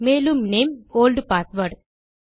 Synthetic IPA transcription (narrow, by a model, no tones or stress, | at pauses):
meːlumneːmoːlɖpaːɾt̪ʋəɖ